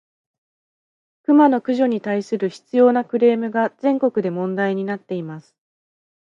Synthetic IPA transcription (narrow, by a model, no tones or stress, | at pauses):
kɯ̟mano̞kɯ̟ʑo̞ɲ̟it̪aisɨɾɯ̟çi̥t͡sɨjo̞ːnakɯ̟ɾe̞ːmɯ̟ɡazẽ̞ŋko̞kɯ̟d̪e̞mõ̞nd̪aiɲ̟inat̪ːe̞imasɨ̥